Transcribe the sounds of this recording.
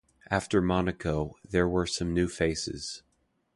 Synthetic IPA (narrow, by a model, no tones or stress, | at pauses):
ʔæftə˞mɑnɨkʰoʊðə˞wə˞sʌ̃mnʉfeɪsɪ̰z̥